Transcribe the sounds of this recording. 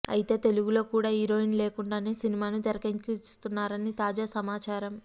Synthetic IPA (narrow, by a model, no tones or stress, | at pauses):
ɐ̰jit̪e̞ːt̪e̞luɡulo̞ːkuːɽaːɦiɾo̞ːinle̞ːkuɳɖaːneːsinimaːnut̪ɛɾɐkɐɲt͡ʃist̪unːaːɾɐnit̪aːd͡ʒaːsɐmaːt͡ʃaːɾɐm